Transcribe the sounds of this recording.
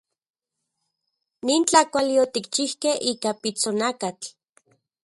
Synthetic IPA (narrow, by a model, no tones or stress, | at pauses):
niːnt͡ɬakʷalijot̪ikt͡ʃihkehiːkapit͡sonakat͡ɬ